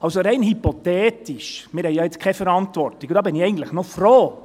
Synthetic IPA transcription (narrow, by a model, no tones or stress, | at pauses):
ɑlsoɾɛɪnhypotɛːtiʃmɪːɾhɛjjɑːɪt͡skʰɛfəɾɑntʋɔrtikud̥ɑːbɪniɛɪɡən̩t̪ləχnɔfroː